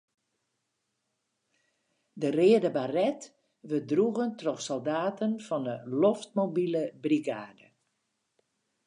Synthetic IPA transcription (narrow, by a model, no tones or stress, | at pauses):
dərɪədəbarɛt | ʋədruɣəntrɔxsɔlˠdaːtənfɔndəloft̚mobiləbriɡaːdə